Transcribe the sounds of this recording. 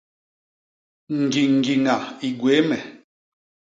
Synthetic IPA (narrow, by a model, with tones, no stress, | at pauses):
ŋ̩˨ɡi˨ŋ̩˨ɡi˨ŋa˨i˨ɡwe˨˦mɛ˨